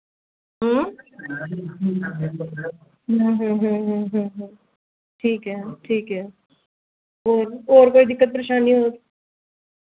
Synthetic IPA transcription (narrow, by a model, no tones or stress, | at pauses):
ɦəː | ɦãɦɦə̃ɦə̃ɦɦ | ʈʰiːkɦɛːʈʰiːkɦɛː | oːɾoːɾkoːid̪ɪkːət̪̚pɾeʃaːniɦoːt̪